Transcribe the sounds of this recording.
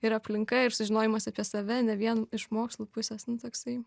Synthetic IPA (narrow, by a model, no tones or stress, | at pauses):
ɪɾɐpʲlʲɪŋkɐɪɾsʊʒʲɪnoːjɪmɐsʲɐpʲiɛsɐʋʲɛnʲɛʋʲiɛnɪʃmoːkslˠuːpʊsʲeːsnʊt̪oːksɐɪ